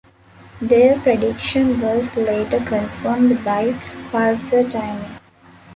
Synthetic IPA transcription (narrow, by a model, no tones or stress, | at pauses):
d̪eːɾpɾeɖɪkʃə̃nʋɔːzleːʈəɾkə̃nfəmɖbaɪpaːɾsəʈãɪni